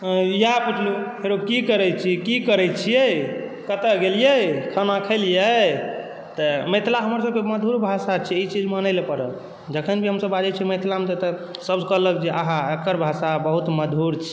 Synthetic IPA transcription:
japiʈʰluɦeɾokikəɾɛt͡ʃʰikikəɾɛt͡ʃʰijekət̪əɡelijəkʰənakʰəlijə | t̪əmət̪laɦəməɾsəb̚keməd̪ʱuɾbʱasat͡ʃʰiit͡ʃid͡ʒmənəjlpəɾə | d͡ʒəkʰənbʱiɦəmsəbad͡ʒɛt͡ʃʰiməjt̪lamet̪ət̪əsəbd͡ʒkələkd͡ʒeʔaɦãekəɾbʱasabəɦut̪məd̪ʱuɾt͡ʃʰi

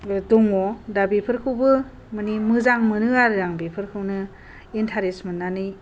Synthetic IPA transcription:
dɔŋɔdabipʰɯɾkʰɯwbɯ | mɯnimɯzaŋmɯnɯaɾɯɾaŋbepʰɯɾkʰɯwnɯ | intʰaɾesmɯnːanɯj

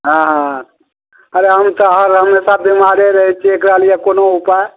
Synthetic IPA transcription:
ɦãɦã | əɾeɦəmt̪ɔɦəɾɦəmesabimaɾeɾəɦɛt͡ʃʰiekɾəɦəlijekonoupae

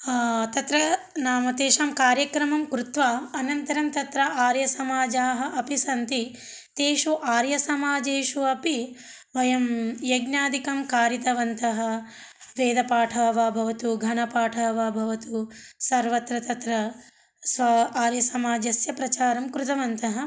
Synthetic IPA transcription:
t̪ɐt̪ɾɐ | naːmɐt̪eːʃaːmkaːɾjɐkɾɐmɐmkɾut̪ʋaːɐnɐnt̪ɐɾɐmt̪ɐt̪ɾɐʔaːɾjɐsɐmaːd͡ʒaːɦɐ̆ʔɐpisɐnt̪i | t̪eːʃuʔaːɾjɐsɐmaːd͡ʒeːʃuɐpi | ʋɐjɐmjɐɡnjaːd̪ikɐmkaːɾit̪ɐʋɐnt̪ɐɦɐ̆ | ʋeːd̪ɐpaːʈʰɐʋɐbʱɐʋɐt̪uɡʱɐnɐpaːʈʰɐːʋɐbʱɐʋɐt̪usɐɾʋɐt̪ɾɐt̪ɐt̪ɾɐ | sʋɐaːɾjɐsɐmaːd͡ʒɐsjɐpɾɐt͡ʃaːɾɐmkɾut̪ɐʋɐnt̪ɐɦɐ̆

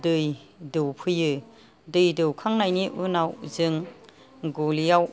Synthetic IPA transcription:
dɯj | dɯwpʰɯjɯ | dɯjdɯwkʰaŋnajniʔunawzɯŋ | ɡulijaw

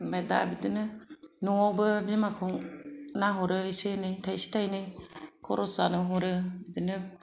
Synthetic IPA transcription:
bajda̰bidɯnɯnuɔbɯbimakʰɔŋnaɦɔɾɯisenɯjtʰajsi̥tʰajnɯjkʰɔɾʔɔsanɯɦɔɾɯbidɯnɯ

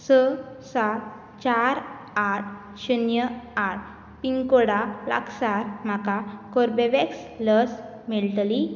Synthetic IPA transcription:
səsa | t͡ɕaɾ | aʈ̚ | ɕənjəaʈ̚ | piŋkoɽala̰ksaɾm̤akakoɾbeʋeksləs | miɭt̪li

